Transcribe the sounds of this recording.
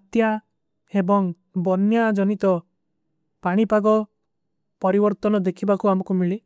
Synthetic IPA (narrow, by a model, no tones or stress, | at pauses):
t̪ja | ebɔŋ | bɔnjad͡ʒɔnit̪ɔ | paɽ̃ipaɡɔ | pɔɾibɔɾt̪ɔnɔd̪ekʰibakuamɔkumiɭi